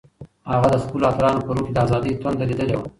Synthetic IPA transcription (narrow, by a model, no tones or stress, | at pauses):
haɣad̪əskulat̪ɾɑnopəɾuked̪əazɑd̪əjt̪wand̪alid̪əlewa